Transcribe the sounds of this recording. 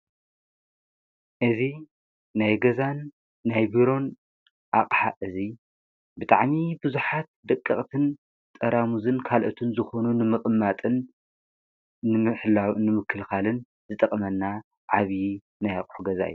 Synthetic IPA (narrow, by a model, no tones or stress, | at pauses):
ʔɨzi | najɡɐzanː | ajbiɾo̞n | ʔaqʼħa̰ʔɨzi | bɨt̪ʼa̰ʕmibɨzuħat̪̚d̪ɐkʼːɨχʼt̪ʰɨn | t̪ʼɐɾamuzɨnkʰalʔot̪ʰɨnzɨxo̞nunɨmɨχʼmːat̪ʼɨn | ɨɨħlawnɨmɨkʰːɨlxalɨn | zɨt̪ʼɐχʼmɐnːa | ʕaβji | najaqʼħuɡɐza̰ɨ̰jːu